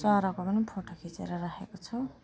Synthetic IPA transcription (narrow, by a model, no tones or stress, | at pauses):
t͡sʌɾʌkobʌnipʰoʈʰokʰit͡sḛɾʌɾakʰekot͡sʰʌ